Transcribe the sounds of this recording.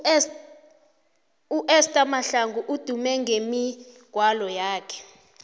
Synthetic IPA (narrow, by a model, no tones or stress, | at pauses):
uʔɛstʼamaɬaŋɡʱuʔud̥ʱumɛŋɡemi | ɡ̥ʱwalɔjaːkʰɛ̥